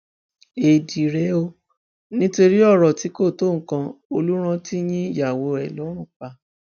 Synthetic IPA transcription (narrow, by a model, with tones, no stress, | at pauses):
e˨di˨ɾɛ˨˦o˧ | nĩ˦to˧ɾi˦ɔ˦˨ɾɔ˨ti˨˦ko˦˨to˦˨ŋ̩˦kã˧o˧lu˦ɾ̃ã˧ti˦j̃ĩ˦ja˨wo˧ɛ˨lɔ˨˦ɾ̃ũ˦˨k͡pa˧˨